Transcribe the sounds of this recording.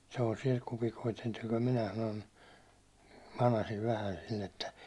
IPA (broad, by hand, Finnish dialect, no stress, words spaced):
selːɑsiɑ kupikoit niːt olʲ minæ sɑnon mɑnɑsiʋ ʋæhæn̞ silː etːæ